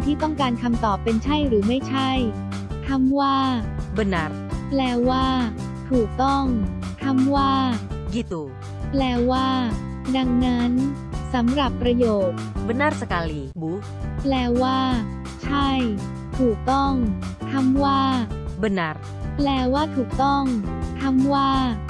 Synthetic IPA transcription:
t̪ʰiː˥˩t̪ɔ˥˩ŋkaː˧nkʰa˧mt̪ɔː˨˩pːe˧nt͡ɕʰa˥˩jɾɯː˩˦ma˥˩jt͡ɕʰa˥˩j | k̪ʰa˧˥mwaː˥˩bə˧na˧˥ɾ | plɛː˧waː˥˩ | t̪ʰuː˨˩k̚t̪ɔ˥˩ŋk̪ʰa˧˥mwaː˥˩ɡi˨˩t̪u˨˧ | plɛː˧waː˥˩ | da˧ŋna˦˥n | sa˨˩˦mɾa˨˩pːɾa˧joː˨˩t̪̚bə˧na˧˥ɾsa˧ka˧li˨˧bu˦ | plɛː˧˩waː˥˩ | t͡ɕʰa˥˩j | t̪ʰuː˨˩k̚t̪ɔ˥˩ŋt̪ʰa˧˥˩mwaː˥˩bə˧na˧ɾ | plɛː˧waː˥˩t̪ʰuː˨˩k̚t̪ɔ˥˩ŋt̪ʰa˧˥mwaː˥˩

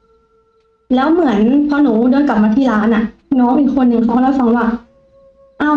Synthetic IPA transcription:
lɛː˦˥wmɯ˩˦ənpʰɔ˦˧˥nuː˩˦dɤː˧jka˨˩p̚maː˧t̪ʰiː˥˩laː˦˥nʔa˨˩nɔː˦˥ŋʔiː˨˩kʰo˧nːɯ˧˩ŋk̪ʰɔː˥˩ŋlɛː˦˥wfa˧ŋwaː˥˩ | ʔa˧˩

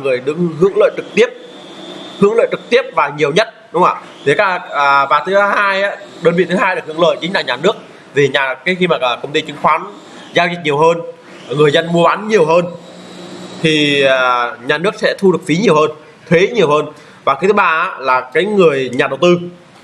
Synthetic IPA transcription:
ŋɨ˨˩əjɗɨ˧ŋɦɨ̰˧˥əŋlə̰ː˧˨jt͡ɕɨ˨˩k̚t̪i˦˥əp̚ | hɨ˧˥əŋlə̰ː˧˨jt͡ɕɨ˨˩k̚t̪i˦˥əp̚vaː˨˩ɲi˨˩əwɲə˦˥t̚ɗʊ˨˦ŋ͡mʔa̰ː˧˩ | t̪ʰi˨˩kaː˧˨˩ɓaː˨˩t̪ʰɨ˨˦a˨˦haː˧jʔaː˧˥ɗəː˧nvḭ˧˨t̪ʰaː˧jɗɨ˨˩k̚hɨ˧˥˦lə̰ː˧˨jt͡ɕï˨˦ŋ̟laː˨˩ɲaː˨˩nɨ˦˥ək̚ | vʰi˨˩ɲaː˨˩kaː˨˦jxi˧maː˨˩˨kə˧wŋ͡mt̪i˧t͡ɕɨ˨˦ŋxwaː˨˦n | zaː˧ki˨˩k̚ɲi˨˩əwɦəː˧n | ŋɨ˨˩əjzə˧nmu˧əɓa˨˦nɲi˨˩əwɦəː˧n | t̪ʰiː˨˩˨ | ɲaː˨˩nɨ˦˥ək̚sɛ̰˧˥t̪ʰu˧ɗɨ˨˩ək̚fi˨˦ɲi˨˩əwhəː˧n | t̪ʰwe˨˦ɲi˨˩əwhəː˧n | vaː˨˩kʰxt̪ʰɨ˨˦ɓaː˧˩a˧˥laː˨˩kaː˨˦jŋɨ˨˩əjɲaː˨˩ɗə˨˩wt̪ɨ˧

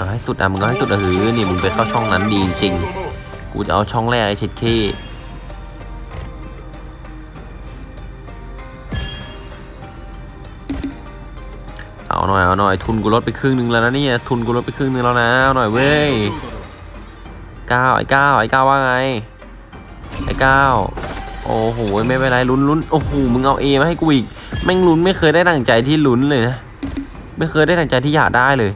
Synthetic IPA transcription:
ʔa˧˩ɦa˥˩jsu˨˩t̪ʔa̰˧ma˧kɔ˥˧˩ha˥˩su˨˩ʔa˧hɯː˨˦˧niː˧˥˩mɯ˧npe˧nt̪ʰɔː˥˩t͡ɕʰɔ˥˩ŋna˦˥ndiː˧i˧t͡ɕi˧ŋ | kṵː˧t͡ɕa˨˩ʔa˧wt͡ɕʰɔ˥˩ŋlɛː˥˩k̚ʔa˧jt͡ɕʰi˦˩t̪̚kʰeː˧˥˩ | ʔa̰˧˩wnɔ̰ː˨˩jʔa˧˩nɔ˨˩jt̪ʰu˧nkuː˧ɾo˦t̪̚pa˧kʰɯː˥˩ŋnɯ˧ŋlaː˧na˦˥niː˥˩t̪ʰu˧nk̬uː˧ɾo˦˥t̪̚pa˧kʰɯː˥˩˨nɯ˧ŋlaː˧wna˦˥a˧˩wnɔ˨˩jwe˧˥˩j | kaː˥˩wʔa̰˧˩jkaː˥˩wʔa̰˧˩kaː˥˩waː˧˩ŋa˧j | ʔa̰˧˩jkaː˥˩wʔo̰ː˨˩ɦoː˨˩wjma˥˩jwa˧˩˨la˧˥˩jlu˦˥nlu˦˥nʔo˧˩hoː˨˩mɯ˧ŋʔa˧wʔeː˧ma˥ha˥˩jkuː˧ʔiː˨˩k̚ | mɛ˧˩ŋlu˦˥nma˥˩jxʰɤː˧jɾa˥˩jt̪a˧˩ŋt͡ɕa˧jt̪ʰiː˥˩lu˦˥nlɤː˧jna˦˥ | ma˥˩jxʰɤː˧jɾa˥˩t̪a˧˨˩ŋt͡ɕa˧jt̪ʰiː˥˩jaː˨˩k̚daː˥˩jlɤː˧j

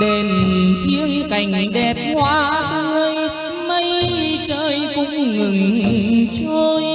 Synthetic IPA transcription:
ɗe˨˩nt̪ʰi˧əŋka˨˩jŋ̟ɗɛ˨˩p̚hwaː˧˦ɗɨ˧əj | mə˧˦jt͡ɕəː˧jkʊ̰˧˥ŋ͡mŋɨ˨˩ŋt͡ɕo˧j

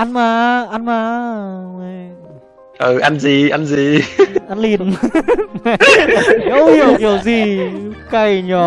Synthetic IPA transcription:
ʔa˧nmaː˧˩ʔa˧nmaː˧˦ma˧˩ | ʔə˨˩ʔa˧nzi˨˩ʔa˧nzi˨˩ʔa˧nli˨˩ən˧˩ | i˧˦whi˨˧˩əwki˨˩əwzi˨˩ka˧˩jɲɔ˨˩

